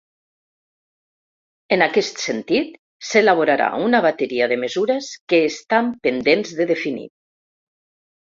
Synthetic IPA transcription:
enakɛst̪sent̪it̪ | selaβ̞oɾaɾa̰unaβat̪eɾiaðəməzuɾeskeːst̪ampend̪enzðəðefinḭ

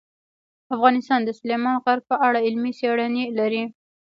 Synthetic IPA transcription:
afɣɑnɪst̪ɑnd̪əsʊlemɑnɣaɾɡ̚pəʔaɽaɪlmiseɽanelaɾi

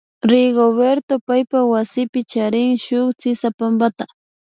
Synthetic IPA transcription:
ɾɪɡoβeɾt̪opajpawasɪpɪt͡ʃaɾɪŋʃʊχt͡sɪsapambat̪a

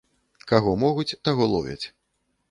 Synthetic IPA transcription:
kaɣɔmɔɣut͡sʲt̪aɣɔlˠɔvʲɐ̰t͡sʲ

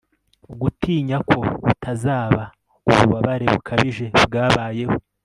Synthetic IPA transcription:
uɡutʰiːɲakʰo̞βutʰazaːβa | uβuβaβaɾe̞βukʰaβiʒe̞bɡaːβaːje̞ho

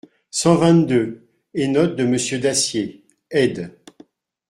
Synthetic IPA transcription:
sɑ̃vɛ̃t̪d̪ø | enɔt̪̚d̪əməsjød̪asje | ɛd̪

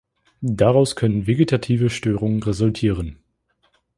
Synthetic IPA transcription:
daʁaʊskʰœnənveɡetʰatʰiːvəʃtøːʁʊŋənʁezʊltʰiːʁən

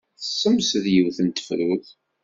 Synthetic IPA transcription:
θəsːəmsðjəwθənt̪ə̥fɾuθ

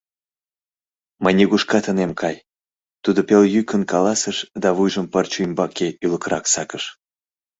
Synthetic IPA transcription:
məjnʲeɣuʃkɑt̪ənemkʰɑj | t̪ud̪opeljykənkɑlɑsəʃd̪ɑβujʒəmpərt͡ɕujmbɑkeʔyləkɾɑksɑkəʃ

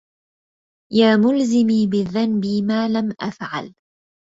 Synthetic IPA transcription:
jaːmʊlzɪmiːbɪðːanbiːmaːlamʔafʕa̰l

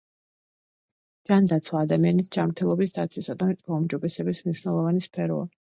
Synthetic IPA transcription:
d͡ʒand̪at̪sʰwaːd̪amianisd͡ʒamɾt̪ʰɛlˠɔbisd̪at̪sʰwisad̪amɛt̪ʼmaumd͡ʒɔbɛsɛbismniʃwnɛlˠɔvanispʰɛɾɔ̰a̰

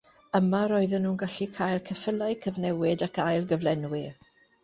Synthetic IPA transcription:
əmaɾɔɨðənːuːnɡaɬikʰaːjlˠkʰəfəlaɨkʰəvnɛwɪdakʰajlˠɡəvlɛnwɪ

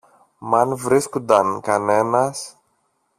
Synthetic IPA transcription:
mɐnvɾiskund̪ɐnkɐne̞nɐs

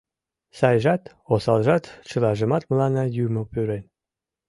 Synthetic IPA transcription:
sɑjʒɑt̪ | osɑlʒɑt̪t͡ɕəlɑʒə̆mɑt̪məlɑnɑjuməpyɾen

